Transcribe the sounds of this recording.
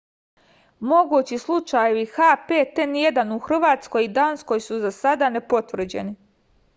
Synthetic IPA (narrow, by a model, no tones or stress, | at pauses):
mo̞ɡuːt͡ɕislˠut͡ʃajeʋixapeːt̪enje̞d̪anuxr̩ʋaːt̪sko̞jid̪aːnsko̞jsuzasad̪ane̞po̞t̪ʋr̩d͡ʑe̞̰ni